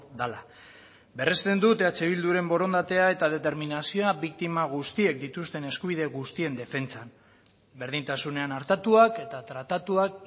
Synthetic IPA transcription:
d̪ala | be̞rest̪e̞nd̪ut̪eat͡se̞β̞ild̪uɾe̞mbo̞ɾo̞nd̪at̪e̞ae̞t̪að̞e̞t̪e̞ɾminasio̞aβikt̪imaɣ̞ust̪ie̞k̚d̪it̪ust̪e̞ne̞skuβiðe̞ɣust̪ie̞nd̪e̞fe̞nt͡san | be̞ɾð̞int̪asune̞anaɾt̪at̪uake̞t̪at̪ɾat̪at̪uak̚

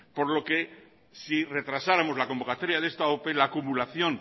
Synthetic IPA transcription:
po̞ɾlo̞ke̞ | sire̞t̪ɾasaɾamo̞zlako̞mbo̞kat̪oɾjaðe̞st̪aope̞laːkumulaθjõ̞n

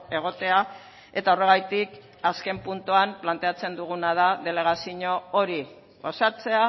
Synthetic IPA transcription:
e̞ɣ̞o̞t̪e̞a | e̞t̪ao̞re̞ɣajt̪ik | aske̞mpunt̪uamplant̪e̞at͡se̞nd̪uɣ̞unað̞aðe̞le̞ɣ̞asiɲo̞oɾi | ɣo̞sat͡se̞a

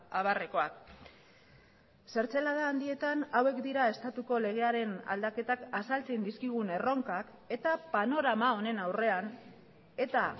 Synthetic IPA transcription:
aβareko̞ak | se̞ɾt͡se̞lað̞aːnd̪ie̞t̪anawe̞kd̪iɾae̞st̪at̪uko̞le̞ɣ̞e̞aɾe̞na̰ld̪ake̞t̪akasalt͡send̪iskiɣ̞une̞ro̞ŋkak | e̞t̪apano̞ɾamao̞ne̞nawre̞an | e̞t̪a

